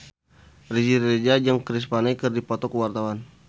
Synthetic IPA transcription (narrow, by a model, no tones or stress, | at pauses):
rid͡ʒiɾed͡ʒad͡ʒaŋkɾis̬panajkɨrdipɔt̪ɔkəwart̪awan